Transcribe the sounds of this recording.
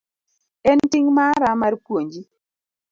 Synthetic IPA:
ɛntiŋmaɾamarpwoɲd͡ʒi

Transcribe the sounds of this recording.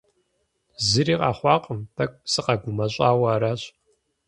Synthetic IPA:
zɨɾiːqa̰ːχʷɑːqʼəmpʰɐkʷʼsɨqɐɡʷʊmɐɕʼaːwɐɾaːɕ

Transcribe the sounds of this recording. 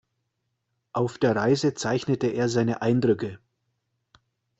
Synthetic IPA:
ʔaʊfd̥eːɐʁaɪzət͡saɪçnətəeːɐzaɪnəʔaɪndʁʏkə

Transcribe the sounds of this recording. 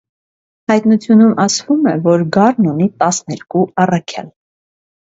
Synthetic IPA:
hɑjt̪nut͡sʰjunumʔɑsvumɛvɔɾɡɑrnunit̪ɑsnɛɾkuɑrɑkʰjɑ̰l

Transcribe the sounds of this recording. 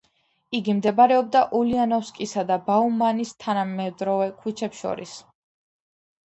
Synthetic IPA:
iɡimd̪ɛbaɾɛɔb̚d̪aʔulianɔfskʼisad̪abaumanist̪ʰanamɛd̪ɾɔvɛkʰut͡ʃʰɛpsʃɔ̰ɾḭs

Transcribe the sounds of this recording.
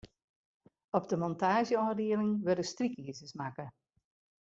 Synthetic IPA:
ɔb̚dəmɔntaːʒjəɔːdiəlɪŋʋødəstrikiəzəsmakə

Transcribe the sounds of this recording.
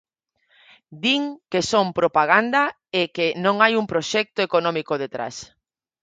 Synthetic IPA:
d̪iŋkesompɾopaɣ̞and̪a | ekenõŋajuŋpɾoʃɛk̚t̪oekonɔ̃mikoðet̪ɾa̰s

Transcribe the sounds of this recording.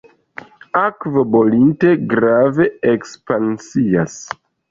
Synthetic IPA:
akvobolinte̞ɡɾave̞ekspansias

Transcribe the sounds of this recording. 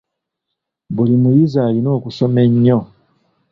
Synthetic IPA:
bulimujizaːlino̞ːkuso̞me̞ɲːo

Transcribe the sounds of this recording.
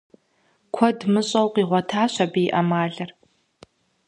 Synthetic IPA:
kʷʰɔdmɨɕʼɐwqiːʁʷɔtʰaːɕʷɐbiːʔɐmaːɮɐr

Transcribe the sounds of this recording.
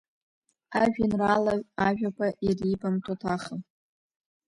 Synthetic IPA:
aʒᶣinralaaʒᶣakʷʰaʔiribamtʷʰʼatʰaχəm

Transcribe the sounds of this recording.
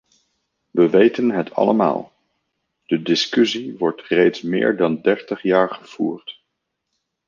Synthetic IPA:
ʋəʋejtənɦətʰɑ̰ləma̰ːlˠ | d̥ədɪskʏsiʋɔɹtrejtsmɪ̰ːɹdɑndɛɹtəχjaːɹχəv̥ṵːɹt

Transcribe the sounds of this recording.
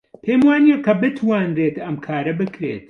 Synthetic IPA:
pʰemwaːnijekʰːɐbɨt̪ʰwaːnɾeːt̪ɐmkʰaːɾɐbɨkʰɾḛt̪̚

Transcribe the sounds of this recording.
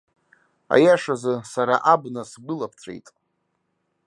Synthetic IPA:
a̰jaʂazɨsaɾaʔabnasbɨlapʰt͡sʷʰḛjtʼ

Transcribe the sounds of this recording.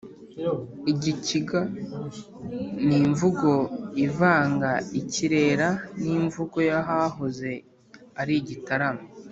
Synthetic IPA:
iɟiciɡa | niɱvuɡo̞ivaːŋɡaiciɾe̞ːɾaniɱvuɡo̞jaɦaɦoze̞ | aɾiɟitaɾamo

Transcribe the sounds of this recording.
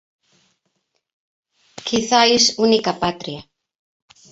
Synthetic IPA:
kʰiθaisunikapat̪ɾia

